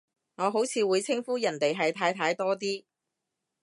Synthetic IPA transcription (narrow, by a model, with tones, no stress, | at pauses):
ŋɔː˨˧ɦo˨˥wt͡sʰiː˨˧wuː˨˧jt͡sʰɪ˥ŋfuː˥jɐ˨˩nt̪e˨jɦɐ˨jt̪ʰaː˧jt̪ʰaː˧jt̪ɔː˥t̪iː˥